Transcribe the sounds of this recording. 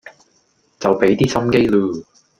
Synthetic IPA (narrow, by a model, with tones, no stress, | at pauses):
t͡sɐ˨wpe˨˥jt̪iː˥sɐ˥mke˥jluː˧˩